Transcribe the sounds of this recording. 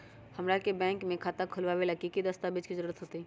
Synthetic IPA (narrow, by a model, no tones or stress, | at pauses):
hɐmɾakebɛ̃ːŋkmẽkʰaːt̪akʰʊlʋaʋelɐkikid̪əst̪abɪd͡ʒkizəɾuːɾət̪ɦoːt̪iɦɛː